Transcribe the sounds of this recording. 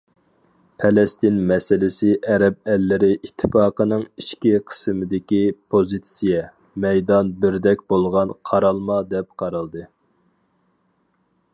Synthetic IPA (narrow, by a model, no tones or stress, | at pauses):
pʰɛlɛst̪inmɛsɪlɪsɪʔɛɾɛb̚ɛlːɪɾɪʔit̪ʰːɨfɑːqənɨŋiʃkʲiqʰə̥smɪd̪ɪkʲipʰozit̪sijɛ | mɛjd̪ɑnbɪɾd̪ɛkʲbolˠʁɑnqʰɑɾɑlˠmɑd̪ɛp̚qʰɑɾɑlˠd̪ɨ